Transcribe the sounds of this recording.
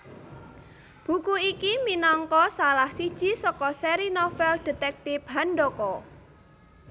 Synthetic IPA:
b̥ṳkuikiminɔŋkɔsalahsid̥ʒ̥i̤sɔkɔsɛɾinɔfɛld̥e̤t̪ɛk̚t̪ɪpɦanɖɔkɔ

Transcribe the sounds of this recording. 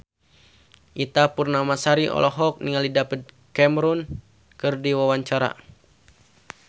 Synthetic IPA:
ʔit̪apurnamasaɾiɔ̰lʔɔɦɔk̚niŋalidapət̪̚ | kɛmɾun | kɨrdiwawaɲt͡ʃaɾa̰

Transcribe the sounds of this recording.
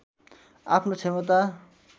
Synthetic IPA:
a̰pʰnot͡sʰemʌt̪a

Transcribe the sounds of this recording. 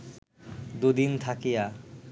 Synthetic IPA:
d̪ud̪int̪ʰakija

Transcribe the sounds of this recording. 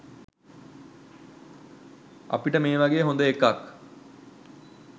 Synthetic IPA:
a̰piʈəmeːʋaɡeːɦond̪əekːak

